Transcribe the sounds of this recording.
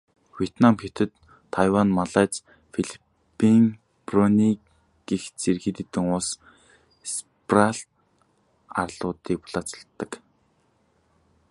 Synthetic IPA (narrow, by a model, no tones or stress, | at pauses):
wʲiet̪namxet̪ɘ̆t̪ʰː | ajwanmaɮæːt͡s | fiɮi̥ | pːiŋ | prɔni | ɡ̥ixt͡serxiːt̪ĭt̪ɘ̆ŋʊs | s | praɬt̪ | a̰rɮʊːt̪iːk̚pʊ̥ɮat͡sɔ̥̆ɬt̪ːə̆k